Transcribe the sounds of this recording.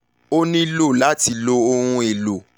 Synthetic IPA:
o˦nĩ˦lo˦˨la˦ti˧˨lo˦o˧ɾũ˦˧e˨lo˨

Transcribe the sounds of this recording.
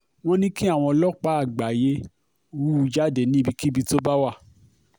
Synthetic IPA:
w̃ɔ̃˦nĩ˦ki˦a˦˨w̃ɔ̃˧lɔ˦k͡pa˨˦a˦˨ɡ͡ba˨je˦ | wu˦˧d͡ʒa˦˨de˨nĩ˨˦bi˧ki˦bi˧to˦ba˦wa˦˨

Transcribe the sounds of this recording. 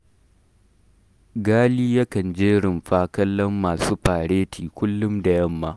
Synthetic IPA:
ɡaː˦liː˦jɐ˦kɐ˨nd͡ʒeː˦ɽɪ˨mɸaː˦kɐ˦lːɐ˦mːaː˨suː˦ɸaː˨ɽeː˦tʰiː˨kʷʊ˦lːʊ˦mda˨jɐ˦mːaː˦ʔ

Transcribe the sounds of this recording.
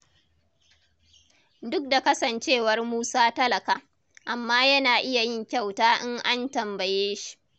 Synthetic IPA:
dʊ˦k̚da˨kɐ˦sɐ˨nt͡ʃeː˦wɐ˦rmuː˦saː˦tɐ˦lɐ˨kaː˨ | ʔa˨mːaː˦jɐ˦naː˨ʔɪ˦ja˨jɪ˦ŋkʲa˦˨wtaː˦ʔɪ˦ŋʔa˦ntɐ˨mbɐ˨jeː˦ʃi̥˨ʔ

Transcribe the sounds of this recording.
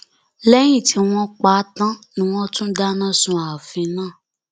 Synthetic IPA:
lɛ˦j̃ĩ˦˨ti˧˦w̃ɔ̃˧k͡pa˨˦tã˦nĩ˦w̃ɔ̃˦tũ˦da˦nã˦˨sũ˧a˨fĩ˧˦nãː˦˨

